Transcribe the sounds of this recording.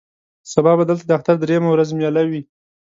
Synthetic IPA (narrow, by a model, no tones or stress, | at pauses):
sabɑbad̪əlt̪ad̪əaxt̪aɾd̪ɾejamawɾazmjɑlawi